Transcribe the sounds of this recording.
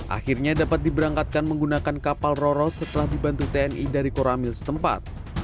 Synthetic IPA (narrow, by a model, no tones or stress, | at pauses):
ʔa̰xirɲadapat̪̚dibəɾaŋkat̪̚kanməŋɡunakankapalroɾɔsːət̪əlahdibant̪ut̪eɛnidaɾikoɾamɪlsə̥t̪əmpa̰t̪̚